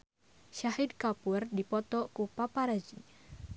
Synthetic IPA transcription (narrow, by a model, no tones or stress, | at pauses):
ʃaɦid̚kapurdipɔt̪ɔkupapaɾad͡ʒi